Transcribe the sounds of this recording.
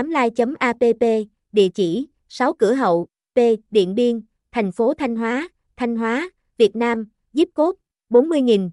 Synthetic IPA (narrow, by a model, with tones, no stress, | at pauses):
a˨˦mlaː˧jt͡ɕə˨˦mʔaː˧pe˧pe˧ | ɗḭ˧˨ət͡ɕi˧˩ | sa˨˦wkɨ˧˩əɦə̰˧˨w | pe˧ɗḭ˧˨ənɓi˧ən | t̪ʰa˨˩jŋ̟fo˨˦t̪ʰa˧jŋ̟ɦwaː˨˦ | t̪ʰa˧jŋ̟ɦwaː˨˦ | vi˨˩ət̚naː˧m | zi˦˥p̚ko˦˥p̚ | ɓo˨˦nmɨ˧əjŋi˨˩n